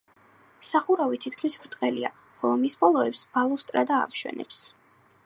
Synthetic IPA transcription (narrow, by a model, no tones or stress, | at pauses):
saχuɾavit̪ʰit̪kʰmisbɾt̪ʼqʼɛlia | χɔlˠɔmisbɔlˠɔɛpsb̥alˠɔst̪ʼɾad̪a̰ːmʃwɛ̰nɛ̰ps